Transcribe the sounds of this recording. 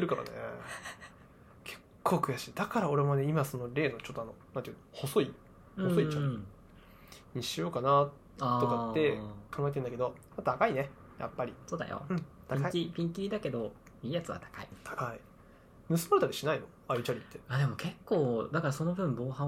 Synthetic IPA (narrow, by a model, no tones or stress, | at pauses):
t̪ːeɾɯ̟kaɾa̰nḛ | kʰe̞̥kʰːo̞ːkɯ̟jaɕiːd̪akaɾao̞ɾe̞mone̞imaso̞no̞ɾʲe̞ːno̞t͡ɕot̪ːanonant̪iɯ̟noho̞so̞i | hɯ̟õsoiaɾi | ɲiɕiokana | at̪okaːe̞kãŋɡaet̪end̪ake̞d̪o̞ | mat̪ʰakaine̞ | ja̰pːaɾʲiso̞ːd̪a̰jo̰ɯ̟̃ɴt̪aikaiiipʲĩŋkʲiɾʲid̪ake̞d̪o̞ | iːjat͡sɨβa̰t̪ḁkaḭt̪ʰḁkai | mɯ̟sɨmaɾet̪aɾʲiɕinaino̞ | aɯt͡ɕaɾʲit̪ːe̞ad̪e̞mo̞kʰe̞kːo̞ːd̪akaɾaso̞no̞bɯ̟̃mbo̞ːɦã